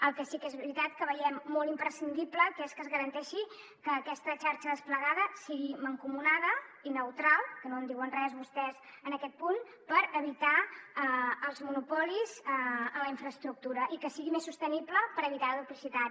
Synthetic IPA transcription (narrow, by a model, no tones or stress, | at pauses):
əlˠkɛsikɛzβɾit̪at̪kəβəʎɛmːolˠt̪impɾəsind̪ipləkeskəzɣəɾənt̪ɛʃi | kəːkɛst̪ət͡ʃaɾt͡ʃəðəspləɣaðəsiɣiməŋkumunaðəinəwt̪ɾalˠkənoənd̪iwənrɛzβust̪ɛzənəkɛt̪̚pun | pəɾəβit̪aəəlˠzmunupɔlizələiɱfɾəːst̪ɾuk̚t̪uɾəʔikəsiɣimesːust̪ənipləpəɾəβit̪aəðut̪lisit̪a